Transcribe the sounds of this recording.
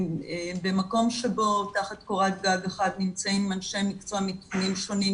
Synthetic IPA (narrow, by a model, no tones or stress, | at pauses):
ebemako̞mʃe̞bo̞taχat̪koʁat̚ɡaveχad̪nimt͡saimːanʃemikt͡samitunimʃo̞ni